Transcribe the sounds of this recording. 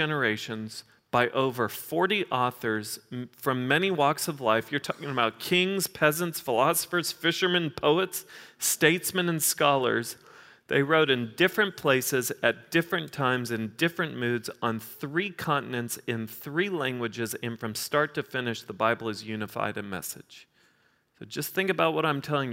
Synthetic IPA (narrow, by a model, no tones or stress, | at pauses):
ɛnə˞eɪʃɨ̃nz̥ | b̥aɪʔoʊvə˞fɔɹɾiʔɔθə˞z̥fɹʌ̃mːɛniwɔksʌvlaɪfjə˞tʰɔkɪ̃ŋəbaʊt̚kʰɪ̃ŋz̥pʰɛzə̃ntsfəlɑsə̥fə˞z̥fɪʃə˞mɨ̃npʰoʊətsteɪtsmɨ̃nɨ̃nskɑlˠə̰˞z | ðḛɪɹoʊɾɨ̃ndɪfɹɨ̃npʰl̥eɪsɪzɨt̚d̥ɪfɹɨ̃ntʰãɪ̃mzɨ̃ndɪfɹɨ̃nmʉdzn̩θɹikʰɑ̃nʔn̩ɨ̃ntsɪ̃nθɹilæ̃ŋɡwɨd͡ʒɨzɨ̃nfɹʌ̃mstɑɹtʰɨfɪ̃nɨʃðəbaɪbl̩ˠɨzjʉnɨfa̰ɪɾɨmɛ̰sɨ̰d̥ʒ̥ | soʊd͡ʒʌsθɪ̃ŋkɨbaʊt̚wʌɾãɪ̃mtʰɛlˠɪ̃ŋj